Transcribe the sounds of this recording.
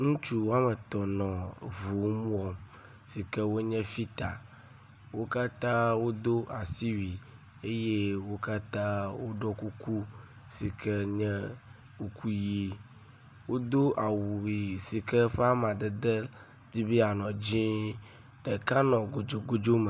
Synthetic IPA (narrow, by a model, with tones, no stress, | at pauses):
ŋũ˦t͡ʃu˦wo˦a˦mɛ˨t̪ɔ˨nɔ̃˨vu˨˦mũ˦wɔ˦ | si˨kɛ˦wo˦ɲɛ̃˦fi˦t̪a˨ | wo˦ka˦t̪ã˦wo˦d̪o˦ʔa˨si˦wi˨ | e˦je˦wo˦ka˦t̪ã˦wo˦ɖɔ˦ku˦ku˦ | si˨kʰɛ˦ɲɛ̃˦ | u˨kʰu˦ji˦ | wo˦d̪o˦ʔa˨wu˨i˨si˨kɛ˦ɸɛ˦a˦mã˨d̪ɛ˨d̪ɛ˦ | di˦bi˦a˨nɔ̃˨d͡ʑĩ˦ | ɖe˨ka˦nɔ̃˨ɡo˨d͡ʒo˨ɡo˦d͡ʒo˦mɛ˨